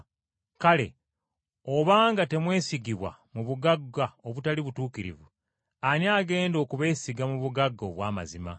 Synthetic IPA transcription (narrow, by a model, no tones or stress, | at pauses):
kale̞̰ | o̞βaːŋɡate̞mwe̞ːsiɡiβwa̰muβuɡaɡaoβutaliβutuːkiɾḭvu | aniaːɡe̞ːndo̞ːkuβe̞ːsiɡamuβuɡaɡːo̞̰βwaːma̰zima̰